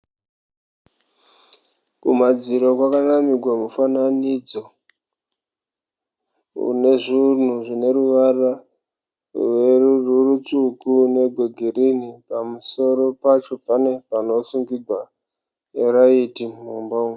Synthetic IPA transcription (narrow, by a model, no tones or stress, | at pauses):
kumad͡ziɾokwakanamiɡʱwamufananid͡zo | ṵne̞ʐun̤uʐine̞ɾuʋara | werururut͡sukune̞ɡʱoɡʱeɾinipamuso̞ɾo̞pat͡ʃo̞pane̞pano̞suŋɡiɡʱwa | eɾaitim̤umbaum